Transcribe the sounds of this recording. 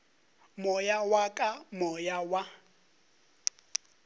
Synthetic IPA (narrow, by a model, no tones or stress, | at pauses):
mʊjawakʼamɔʊjawa